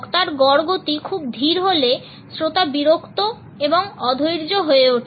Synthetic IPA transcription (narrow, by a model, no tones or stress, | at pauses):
kt̪aɾɡɔɽɡot̪ikʰub̚d̪ʱiɾɦole | sɾot̪abiɾokt̪o | eboŋɔd̪ʱojɾd͡ʑoɦoeuʈʰ